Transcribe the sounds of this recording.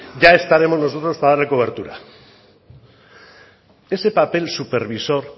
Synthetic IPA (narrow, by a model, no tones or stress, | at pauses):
ʝae̞st̪aɾe̞mo̞zno̞s̬ot̪ɾo̞spaðaɾlekoβ̞e̞ɾt̪uɾa | e̞se̞pape̞lsupeɾβiso̞ɾ